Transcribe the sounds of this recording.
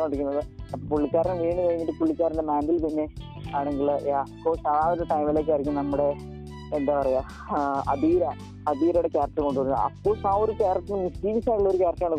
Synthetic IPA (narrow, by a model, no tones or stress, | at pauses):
oɳɖikʲːunːɐðɨɐpːoːpuɭːikʲːaːɾɐnʋiːɳɨkɐɻiɲːiʈːɨpuɭːikʲːaːɾɐnɖemaːndilpinːe̞ | aːɳe̞ŋɡiljaːkːoːsɐɾaːɐɾɐʈɐjmileːkːɐrikʲːumnɐmːuɽe̞ | end̪aːpɐrɐja | ɐd̪iːɾɐ | ɐðiːɾɐjuɽekaːɾɐʈːɨko̞ɳɖuʋɐɾunːɨ̰ɐ̰pːosaːoɾukaːɾɐʈːinmisiːʋisaːɭːɐo̞ɾukaːɾɐt̪ːjaːɳɨ